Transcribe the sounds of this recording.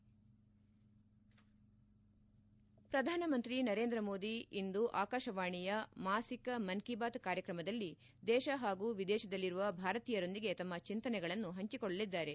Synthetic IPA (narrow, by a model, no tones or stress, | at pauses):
pɾɐd̪ʱaːnɐmɐnt̪ɾinɐɾe̞ːnd̪ɾɐmo̞ːd̪iind̪uʔaːkaːʃɐʋaːɳijɐmaːsikɐmɐnkibaːt̪kaːɾjɐkɾɐmɐd̪ɐlːi | d̪ɛːʃɐɦaːɡuːʋid̪ɛːʃɐd̪ɐlːiɾuʋɐbʱaːɾɐt̪iːjɐɾo̞nd̪iɡe̞t̪ɐmːɐt͡ʃint̪ɐnɛɡɐɭɐnːuɦɐɲt͡ʃikɔɭɐlid̪ːaːɾe̞